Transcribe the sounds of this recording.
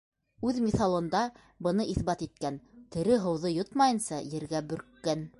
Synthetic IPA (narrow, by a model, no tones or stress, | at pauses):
ʉðmʲiθɑlˠɤ̆nd̪ɑ | bɤ̆nɤʔiθbɑt̪it̪̚kænt̪ɘ̆ɾɘɦɤ̆wðɤjot̪mɑjɤ̆nsɑjɘ̆ɾɡæbɵ̆ɾkːæn